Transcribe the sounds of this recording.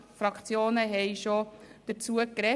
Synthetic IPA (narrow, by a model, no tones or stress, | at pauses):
fɾɑkʰt͡sjoːnəɦɛɪʃod̪̥əɾt͡suəkɾɛ